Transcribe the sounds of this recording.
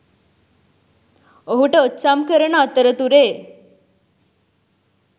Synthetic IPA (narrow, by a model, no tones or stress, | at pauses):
oɦuʈətːɕamkəɾɳat̪əɾət̪uɾe